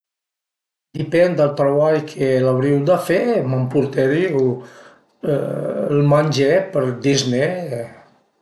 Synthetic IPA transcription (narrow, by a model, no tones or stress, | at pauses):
d̪ipɛnd̪əlˠt̪ɾəβaʎkʰəlaβɾiwd̪əfeməmpuɾt̪eɾiu | lˠmənʲʒepəɾd̪izne